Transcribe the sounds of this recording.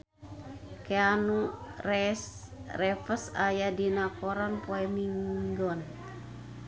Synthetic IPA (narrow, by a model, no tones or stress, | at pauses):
keanurɛ | rɛfəsajadinakɔɾanpoɛmiŋɡɔn